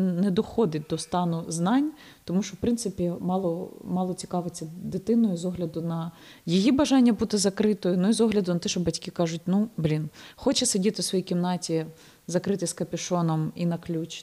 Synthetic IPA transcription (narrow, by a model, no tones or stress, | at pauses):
nɛd̪ɔxɔd̪ɪt̚ʲd̪ɔst̪ɑnʊznɑnʲ | t̪ɔmuʃt͡ʃɔwpɾɪnt̪sɪpʲimɑlˠɔmɑlˠɔt͡sʲi̥kɑʋet͡sʲːɐd̪ɪt̪ɪnɔjʊzɔɦlʲɐd̪ʊnɐ | jijibɐʒɑnʲːɐbut̪ɪzɐkɾɪt̪ɔjʊnuizɔɦlʲɐd̪ʊnɐt̪ɛʃt͡ʃɔbɐtʲkʲɪkɑʒʊtʲnublʲinxɔt͡ʃɛsɐdʲit̪ɪsʋɔjikʲimnɑtʲi | zɐkɾɪt̪ɪskɐpʲɪʃɔnɔminɐklʲut͡ʃ